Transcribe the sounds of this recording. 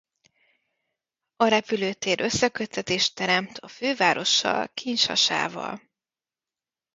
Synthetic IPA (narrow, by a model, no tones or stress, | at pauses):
ɒɾɛpyløːt̪eːɾʔø̞sːɛkøt̪ːɛt̪eːʃt̪ːɛɾɛmt̪ʰɒføːvaːɾo̞ʃːɒ̰lkʰiɲʃɒ̰ʃa̰ːvɒ̰l